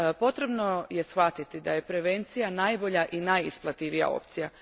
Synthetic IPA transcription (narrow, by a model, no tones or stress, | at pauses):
po̞t̪ɾe̞bno̞je̞sxʋat̪it̪id̪aje̞pɾe̞ʋe̞nt̪sijanajbo̞ʎaʔinajisplˠat̪iʋija̰o̞̰p̚t̪sija